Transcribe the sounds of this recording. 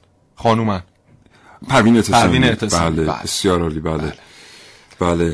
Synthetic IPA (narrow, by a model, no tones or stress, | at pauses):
xɒːnumæn | pʰæɾviːnet̪ʰesɾiːnet̪ʰesbæːlḛbesjɒːɾɒːliːbæːle | b̥æːle